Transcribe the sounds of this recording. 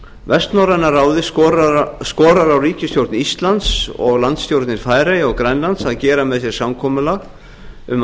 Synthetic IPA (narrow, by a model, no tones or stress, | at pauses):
vɛst̪nawɾanːaɾaːwðɪ | skɔːɾaɾawriːcɪst̪jowɾt̪nist̪lant̪sɔ̰ɣlant̪st̪jowɾt̪nɪɾfaːjɾejɔɣkɾɛnlant̪saðcɛːɾamɛðsjɛɾ̥samkʰɔːmʏlaɣ | ʏm